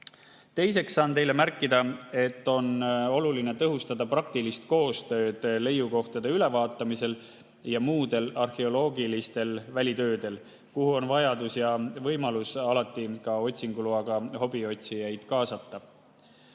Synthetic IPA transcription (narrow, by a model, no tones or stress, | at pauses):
t̪e̞jse̞ksːɑːnt̪e̞jle̞mærkːˑid̪ɑe̞t̪ːo̞no̞luline̞t̪ɤɦust̪ɑd̪̥ɑprɑkt̪ilist̪̚ko̞ːst̪ø̞ːd̪̥le̞juko̞ht̪ɑd̪̥e̞yle̞vɑːt̪ːˑɑmise̞l | jɑmuːd̪̥e̞lɑrxe̞o̞lo̞ːɡilist̪e̞lvælʲit̪ø̞ːd̪e̞l | kuhuo̞nvɑjɑd̪usjɑvɤ̞jmɑlusɑlɑt̪ːˑikɑo̞t̪ʲsiŋɡ̥uluɑɡ̥ɑho̞bio̞t̪ʲsijæjd̪̥kɑːsɑt̪ːɑ